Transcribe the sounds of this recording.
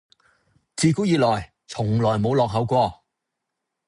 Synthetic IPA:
t͡siː˨˧kuː˨˥jiː˨˧lɔː˨˩j | t͡sʰʊ˨˩ŋlɔː˨˩jmo˨˧wlɔː˨k̚ɦɐ˨˥wkʷɔː˧

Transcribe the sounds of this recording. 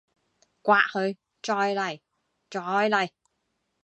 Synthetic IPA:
kwaː˧˨ʔhə˧j | t͡ɕɔ˧jla˨˩j | t͡ɕɔ˧˩jla˨˩j

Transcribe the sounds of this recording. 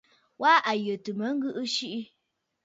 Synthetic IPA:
wa˦ʔa˨jə˨tɨ˨mə˨˦ŋ̩˦ɡɨ˦ʔɨ˦ʃi˦ʔi˦

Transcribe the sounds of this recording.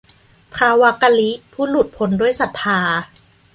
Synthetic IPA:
pʰɾaː˧wa˦˥ka˧li˦˥pʰuː˥˩lu˨˩t̪̚pʰo˨˦ndu˥˩əjsa˨˩t̪ʰːaː˧

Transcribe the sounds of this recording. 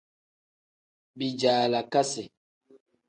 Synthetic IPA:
bi˨d͡ʒaː˨la˨ka˦si˨

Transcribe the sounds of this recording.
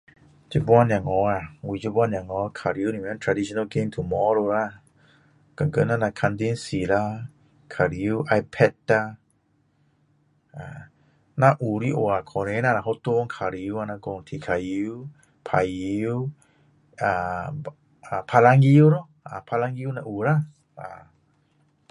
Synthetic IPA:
d͡ʒə˧bwa˦na˨ŋɔ˧˦a˧wi˧˨d͡ʒə˧˦bwa˦˧nja˨ŋɔ˨˧kʰa˨ɾi˧˦u˦ni˨mɛ˧˦nt̪ʰɾa˧di˧o˧na˧ɡe˧mt̪ʰu˨mɔ˦ɾo˧ɾa˦˧ | ka˨ŋɡə˧˦na˦na˧kʰa˧nd̪i˦nsi˨la˧ | kʰa˨ɾi˧˦u˦ʔa˧jpʰɛ˧t̪a˧ | a˨ | na˧ʔu˨ɾi˦ʔo˨a˨kʰɔ˨ɾe˧˦na˧na˧˨ɦo˦t̪o˦ŋkʰa˨ɾi˧u˦a˧na˧ɡo˧ŋt̪ʰi˨kʰa˨ji˧u˦ | pʰa˨ji˧w | a˨ | a˨pʰa˧la˧ŋi˧u˦ɾɔ˦ | a̰˨pʰa˧la˧ŋɡi˧u˦na˧ʔu˨ɾa˦ | a̰˨

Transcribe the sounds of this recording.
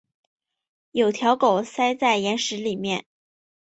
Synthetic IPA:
jo˨˩ʊt̪ʰjɑ˧˥ʊko˨˩ʊsa˥ɪt͡sa˥˩ɪjɛ˧˥nʂɻ̩˧˥li˨˩mjɛ̰˥˩n

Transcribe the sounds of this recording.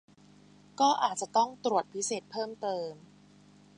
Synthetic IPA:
kɔː˥˩ʔaː˨˩t̪̚t͡ɕa˨˩t̪ɔ˥˩ŋt̪ɾu˨˩ət̪̚pʰi˦˥seː˨˩t̪̚pʰɤː˥˩mt̪ɤː˧m

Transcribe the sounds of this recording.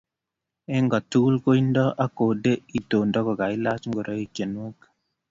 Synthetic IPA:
ɛ˦ŋɡɔ˨tu˦lko˦i˦ndɔ˦ʔa˦ko˨de˦i˨to˨ndɔ˦kɔ˨ka˨i˦la˦t͡ʃŋɡo˨ɾɔ˦e˨kje˨nwo˦k

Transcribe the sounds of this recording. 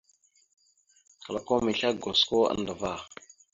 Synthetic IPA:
kə˨la˨ko˦mi˨ɬa˦ɡo˨sko˦a̰˦˨˦ndə˨va˦˨

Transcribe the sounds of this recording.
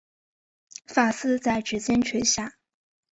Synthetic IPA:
fa˥˩sɹ̩˥t͡sa˥˩ɪʈ͡ʂɻ̩˧˥t͡ɕjɛ˥nt͡ɕʰɥɛ˧˥ɕja˥˩

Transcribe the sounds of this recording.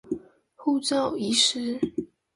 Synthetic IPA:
xu˥˧t͡sɑ˥˨ʊi˧˥ʂɻ̩˥

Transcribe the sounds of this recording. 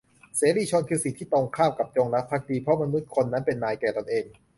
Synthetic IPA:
seː˩˦ɾiː˧t͡ɕʰo˧nkʰɯː˧si˨˩t̪ʰiː˥˩t̪o˧ŋkʰaː˥˩m̚ka˨˩p̚t͡ɕo˧ŋɾa˦˥pʰːa˦˥k̚diː˧pʰɾɔ˦˥ma˧nu˦˥t̪̚kʰo˧nːa˦˥npe˧nːaː˧jkɛː˨˩t̪o˧nʔeː˧ŋ

